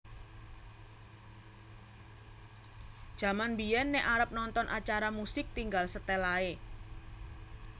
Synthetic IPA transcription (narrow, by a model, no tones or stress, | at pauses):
d̥ʒ̥ä̤manbijɛnːɛʔaɾəp̚nɔnt̪ɔnʔat͡ʃaɾamusɪk̚t̪iŋɡalsət̪ɛlae